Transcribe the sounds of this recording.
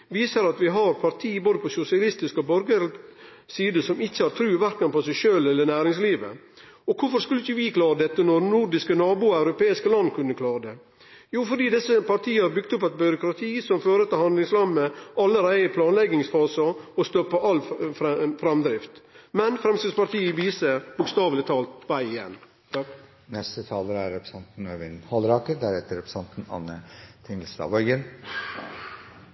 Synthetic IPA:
ʋiːsəɾɑt̪ʋɪɦɑɾpʰɑɾt̪ʰiːboːd̪əpʰɔsʊsɪɑlɪst̪ɪskɔbœɾɡəɾ | siːd̪əsɔmɪçːəhɑɾt̪ʰɾʉːʋæɾkənpɔsɛɪʃøːlɛlːənæːɾɪŋsliːʋə̰ | ɔkʰʊɾfɔɾskʉləɪçːəʋɪkʰlɑːɾəd̪ɛt̪ːənɔɾnuɾɖɪskənɑːbʊɑʉɾʊpeːɪskəlɑnːkʰʉnːəkʰlɑːɾəd̪ɛ | juːfɔɾɖiːd̪ɛsəpɑɾʈ̪ʰiːəhɑɾbʏɡ̚t̪ʊpːɛt̪bʏɾʊkɾɑt̪ʰiːsɔmføːɾət̪ɪlhɑnd̪lɪŋsɾɑmːəɑlːəɾæɪəpʰlɑːnlɛɡɪŋsfɑːsəɔst̪ɔpːəʔɑlː | fɾɑmd̪ɾɪft̪mɛnfɾɛmsɪd̪spɑɾt̪ʰiːəɪʋiːsəbʊkst̪ɑːʋlɪt̪ʰɑːlt̪ʋæɪɪjɛ̰nː | nɛst̪ət̪ʰɑːləɾæɾːɛpɾə̥sɑnt̪n̩øːʋɪnhɑlɾɑːkəɾd̪æɾɛt̪əɾɛpɾə̥sɑnt̪n̩ɑ̰nət̪ʰɪŋəlsd̪ɑ̰ːʋœʏɡən

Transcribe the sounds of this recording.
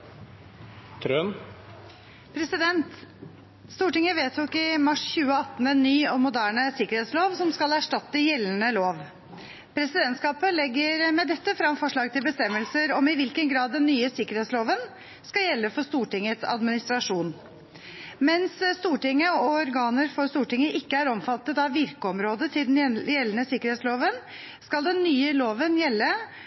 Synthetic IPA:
t̪ʰɾøn | pʰɾɛsɪd̪ɛnt̪ | st̪uːʈɪŋəʋeːt̪ʰuːkɪmɑʂçʉːəɑt̪ːn̩ɛnːyːɔmʊd̪æːɳəsɪkəɾheːt̪sloːʋsɔmskɑlæʂʈɑt̪ːəjɛlːən̩əloːʋ | pʰɾɛsɪd̪ɛnt̪skɑːpəlɛɡːəɾmɛd̪ɛt̪ːəfɾɑmfɔʂɭɑːɡt̪ʰɪlbəst̪ɛmːəlsəɾɔmɪʋɪlkənɡɾɑːd̪ːɛnːyːəsɪkəɾeːt̪sloːʋən | skɑjɛlːəfɔʂt̪uːʈɪŋːət̪sɑ̰d̪mɪnɪst̪ɾɑʂuːn | mɛnsst̪uːʈɪŋːəɔɔɾɡɑːnəɾfɔɾst̪uːʈɪŋəʔɪkːəæɾɔmfɑt̪ːət̪ɑʋʋɪɾkəɔmɾoːd̪ət̪ʰɪld̪ɛnjɛlːənəsɪkəɾet̪sloːʋən | skɑld̪ɛnːyːəloːʋənjɛlːə

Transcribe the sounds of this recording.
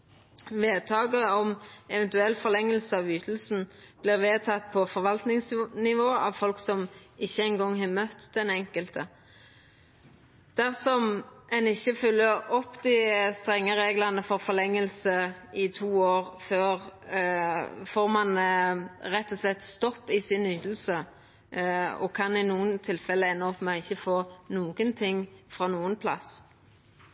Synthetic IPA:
ʋeːd̪̚t̪ʰɑːɡəɔmɛʋɛnt̪ʉɛlfɔʁlɛŋːəlsəɑʋyːt̪ʰəl̩sn̩b̥lɪʁʋeːt̪ʰɑt̪̚ːpʰɔfɔʁʋɑlt̪nɪŋsnɪʋoːɑʋfɔlksɔmɪçːəɛnɡɔŋːɦɑmœt̪d̪̥ɛnɛŋkəlt̪ʰə | d̪̥æʁsɔmɛnɪçːəfʏlːəɾɔpːd̪ɪst̪ʁɛŋːəʁeːɡlənəfɔʁfɔlɛŋːəlsəɪt̪ʰuːoːʁføːʁ | foːʁmɑn | ɾɛt̪ːɔslɛt̪ːst̪ɔpːɪsɪnyːt̪əl̩sə | ɔ̰kʰɑnɪnuːənt̪ʰɪlfɛlːəɛnːəɔpmɛɪçːəfoːnuːɡənt̪ʰɪŋːfʁɑnuːənpʰlɑ̰s

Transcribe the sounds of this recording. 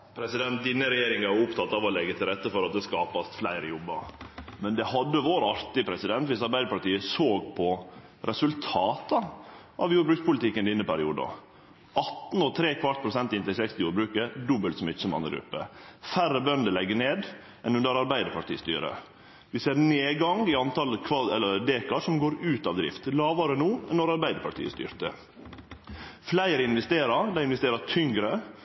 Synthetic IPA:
pʰɾɛsɪd̪ɛnt̪̚d̪ɪnːəɾɛjeːɾɪŋɑʊpt̪ʰɑt̪ːɑʋɔlɛɡːət̪ʰɪlɾɛt̪ːəfɔɾɑt̪̚d̪ɛskɑːpɑst̪flæɪɾəjɔbːə̰ɾmɛnd̪ɛhɑd̪ːəʋoːɾɑɾt̪ɪpʰɾɛsɪd̪ɛnt̪ʋɪsɑɾbæɪd̪əɾpɑʈiːəsoːɡpʰɔ | ɾʔɛsʉlt̪ʰɑːt̪ɑ | ʔɑʋjuːbɾʉːkspʊlɪt̪ɪkːənd̪ɪnːəpæɾɪṵːd̪ɑ̰ | ʔɑt̪n̩ɔt̪ʰɾeːkʰʋɑɾʈ̪̚pʰɾʊsɛnt̪ɪnt̪ɛsɛkst̪ɪjuːɾbɾʉːkəd̪ɔbəlt̪sɔmɪt͡ʃːəmɑ̰nə̰ɡɾʉ̰pːə̰færəbœnd̪əlɛɡːəneːd̪ | ɛnʉnd̪əɾɑɾbæɪd̪əpʰɑʈʰḭːəst̪y̰ːɾə̰ | ʋɪseːɾneːɡɑŋɪɑnt̪ɑlkʰʋɑɛlːəɾd̪eːkɑʂɔmɡoːɾʉːt̪ɑʋd̪ɾɪ̰ft̪lɑːʋɑɾənuːɛnɔɾɑɾbæɪd̪əpʰɑʈʰḭːəst̪y̰ːɾt̪ə | flæɪɾəɪnʋɛst̪eːɾɑɾd̪æɪnʋɛst̪eːɾɑt̪ʰʏŋɡɾə

